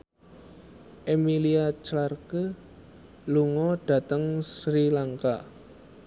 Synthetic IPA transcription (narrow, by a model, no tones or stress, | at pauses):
ʔemiliat͡ʃlarkə | luŋɔɖ̥ä̤t̪əŋsɾilaŋka